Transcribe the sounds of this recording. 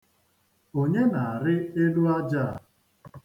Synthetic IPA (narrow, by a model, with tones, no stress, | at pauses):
o˦ɲe˦na˨a˨ɾɪ˦e˦lu˦a˦d͡ʒa˦˨